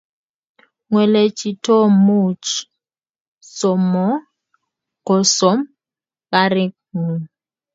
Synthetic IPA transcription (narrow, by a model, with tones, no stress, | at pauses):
ŋwɛ˨le˨t͡ʃʰʼi˨tʰɔ˦mu˦˨t͡ʃ | sɔ˨mɔ˦ | kɔ˨sɔ˨˦m | ka˦ɾi˦k̚ | ŋu˨